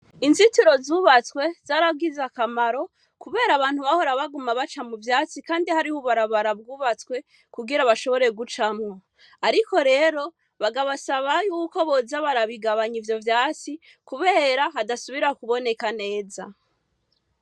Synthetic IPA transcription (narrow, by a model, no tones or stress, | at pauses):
inzitiɾo̞zuːβat͡swe̞zaɾab̚ɡizakamaɾo̞ | kuβe̞ːɾaβaːn̥huβaho̞ɾaβaɡumaβat͡ʃamuvjaːt͡sikaːndihaɾihuβaɾaβaɾabɡuːβat͡skwe̞ | kuɡiɾaβaʃo̞βo̞ɾe̞ɡut͡ʃamŋo̞ | aɾiko̞ɾe̞ːɾo̞ | βaɡaβasaβajuːko̞βo̞zaβaɾaβiɡaβaɲivjo̞vjaːt͡si | kuβe̞ːɾaɦadasuβiɾakuβo̞ne̞kane̞ːza̰